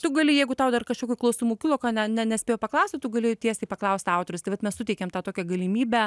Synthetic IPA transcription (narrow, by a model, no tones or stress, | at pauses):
t̪ʊɡɐlʲɪjɛɪɡʊt̪ɐʊd̪ɐrkɐʃkʲoːkʲoklˠɐʊsʲumuːkʲɪlˠoːkɑnʲɛnʲɛnʲɛsʲpʲeːjɛʊpɐklˠɐʊsʲt̪ʲɪt̪ʊɡɐlʲeːjʊt̪ʲiɛsʲeɪpɐklˠɐʊsʲt̪ɑʊt̪oɾʊst̪ɐɪʋɐt̪mʲɛsʊtʲɛɪkʲɛmt̪ɑːt̪oːkʲɛɡɐlʲimʲiːbʲɛ